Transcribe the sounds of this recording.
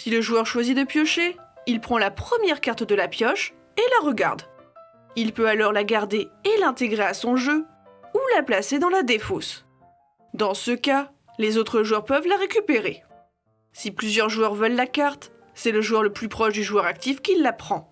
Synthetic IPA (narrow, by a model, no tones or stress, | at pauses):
siləʒuœʁʃwazid̪əpjɔʃeilpχɑ̃lapχəmjɛʁkaʁt̪d̪əlapjɔʃ | elaʁəɡa̰ʁd̪ | ilpøalɔʁlaɡaʁd̪eelɛ̃t̪eɡʁeasɔ̃ʒø | ulaplased̪ɑ̃lad̪efos | d̪ɑ̃səka | lezot̪χəʒuœʁpœvlaʁekʲypeʁe | siplyzjœʁʒuœʁvœlːakaʁt̪ | sɛləʒuœʁləplypχɔʃd̪yʒuœʁak̚t̪ifkʲilːapχɑ̃